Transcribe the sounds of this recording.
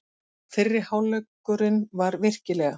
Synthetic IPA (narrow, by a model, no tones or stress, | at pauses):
fɪrːɪɾ̥hawlœkː | ʏɾɪnvaɾvɪr̥cɪlɛːɣa